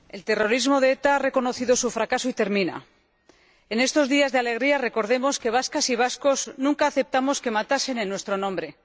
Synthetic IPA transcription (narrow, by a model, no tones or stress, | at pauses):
e̞lt̪e̞ro̞ɾizmo̞ðe̞et̪aare̞ko̞no̞θiðo̞sufɾakasoit̪e̞ɾmĩna̰ | e̞ne̞st̪o̞zðiazðeale̞ɣ̞ɾiare̞ko̞ɾð̞e̞mo̞ske̞β̞askasiβ̞asko̞znũŋkaːθe̞p̚t̪amo̞ske̞mat̪ase̞nenːwest̪ɾo̞nõ̞mbɾe̞